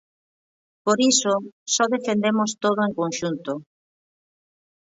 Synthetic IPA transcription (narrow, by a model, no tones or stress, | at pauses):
poɾisosɔðefend̪emost̪oð̞ʊeŋkonʃunt̪o